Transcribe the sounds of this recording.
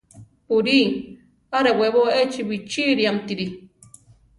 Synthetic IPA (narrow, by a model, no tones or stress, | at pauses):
puɾi | aɾeweβoet͡ʃiwit͡ʃiɾiamt̪iɾi